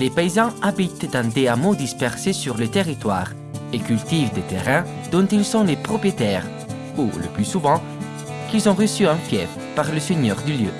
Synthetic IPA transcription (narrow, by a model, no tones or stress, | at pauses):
lepeizɑ̃abit̪d̪ɛ̃d̪eamod̪ispɛʁsesyʁlət̪eʁit̪wa̰ːʁ | ekylt̪ivd̪et̪eʁɛ̃ | d̪̥ɔ̃t̪ilsɔ̃lepχɔpʁiet̪ɛːʁ | ṵlə̰plysuvɑ̃ | kilzɔ̃ʁəsyɛ̃fjɛf | paʁləseɲœʁd̪yljø̰